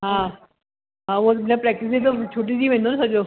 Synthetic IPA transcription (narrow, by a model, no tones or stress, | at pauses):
ɦã | ɦãʋomɛ̃pɾɛːk̚ʈɪs̬d̪et̪ot͡ɕʰoːʈ̬isiːʋẽnd̪onasɐd͡ʑo